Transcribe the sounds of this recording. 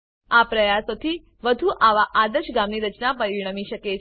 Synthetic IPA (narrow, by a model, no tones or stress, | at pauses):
apɾəjasot̪ʰiː | ʋəd̪ʱuːʔaʋaʔad̪əɕɡamniːɾət͡ɕnapəɾiɳəmiɕəke